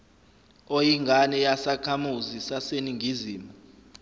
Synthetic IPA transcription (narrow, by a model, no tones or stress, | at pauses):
ojiŋɡʱanɛjasakʰamuzisaseniŋʱiziːmɔ